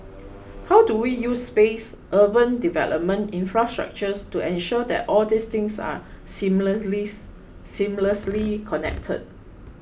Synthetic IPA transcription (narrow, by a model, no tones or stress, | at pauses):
hawduwijusːpes | ʔəbə̃ndivɛ̰lʔɔ̰p̚mə̃ntĩnfɹastɹa̰k̚t͡ʃəstuɛ̃nʃɔdɛ̰tʔɔldist̪ɪ̃ŋsa̰ | simli | sĩmləslikʰɔnɛ̰k̚tʰə̰d̚